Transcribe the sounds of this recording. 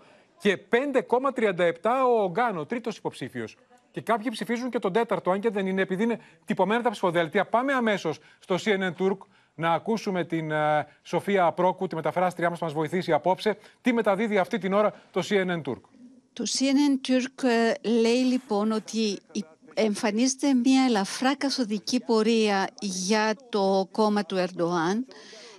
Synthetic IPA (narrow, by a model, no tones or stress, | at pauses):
ce̞pe̞nd̪e̞ko̞mɐt̪ɾiɐnd̪ɐe̞pt̪ɐoːŋɡɐno̞t̪ɾit̪o̞si̥po̞psifio̞s | ce̞kɐpçipsifizuɲce̞t̪o̞nd̪e̞t̪ɐɾt̪oɐɲɟe̞ðenineːpiðiine̞ | t̪ipo̞me̞nɐt̪ɐpsi̥fo̞ðelt̪iɐpɐme̞ɐme̞so̞sːt̪o̞sienent̪uɾk | nɐːkusume̞t̪in | so̞fiɐpɾo̞kut̪ime̞t̪ɐfɾɐst̪ɾiɐmɐsmɐzvo̞iθisiɐpo̞pse̞t̪ime̞t̪ɐðiðiɐft̪it̪ino̞ɾɐt̪o̞sienent̪ṵɾk | t̪o̞sienent̪yɾkle̞jlipo̞no̞t̪i | eɱfɐnizet̪e̞mɲɐelɐfɾɐkɐθo̞ðicipo̞ɾiɐʝɐt̪o̞ko̞mɐt̪ue̞ɾd̪o̞ɐn